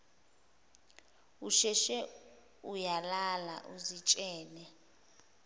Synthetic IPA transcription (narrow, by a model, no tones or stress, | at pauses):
uʃɛʃɛ | ujalala̰ʔuzit͡ʃʼɛːnɛ